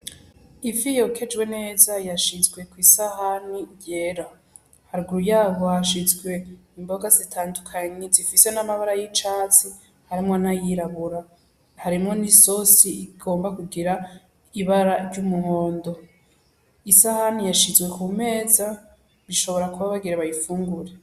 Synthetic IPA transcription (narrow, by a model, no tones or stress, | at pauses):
ivijo̞kʰe̞d͡ʒɡwe̞ne̞ːzajaʃizɡwe̞kwiːsahaniɟeɾa | haɾɡuɾujaːβo̞haʃizɡwe̞imbo̞ɡazitʰaːndukʰaɲezifise̞namaβaɾajit͡ʃaːt͡si | haɾimŋonajiɾaβuɾa | haɾimŋo̞niso̞siiɡ̥o̞ːmbakuɡiɾa | iβaɾaɾɟumuho̞ːndo̞ | isahanijaʃizɡwe̞kume̞ːza | βiʃo̞βo̞ɾakuβaβaɡiɾeβajifuːŋɡuɾe̞